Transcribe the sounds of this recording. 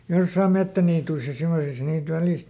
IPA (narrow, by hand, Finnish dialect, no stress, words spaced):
josːɑːm metːæniːtuis jɑ semosis niːt ʋæliˑst